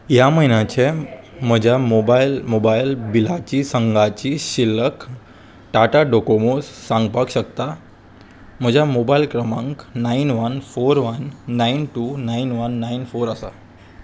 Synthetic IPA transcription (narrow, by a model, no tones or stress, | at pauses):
jaməɦinjat͡ɕe | m̤əd͡ʑʱamobajlmobailbilat͡ɕiːsəŋɡat͡ɕiːɕilːək | ʈaʈaɖokomosːãŋɡpakɕəkt̪a | m̤əd͡ʑʱamobailkɾəmãŋknainʋənfoɾʋənːainʈunainʋənːainfoɾəsa̰